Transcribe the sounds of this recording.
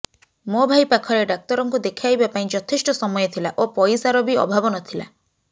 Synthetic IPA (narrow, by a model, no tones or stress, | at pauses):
mobʱajpakʰɔɾeɖak̚t̪ɔɾɔŋkud̪ekʰiajbapaĩd͡ʒɔt̪ʰesʈɔsɔmɔjɔt̪ʰilaʔopɔjsaɾɔbiɔ̰bʱabɔnɔt̪ʰila̰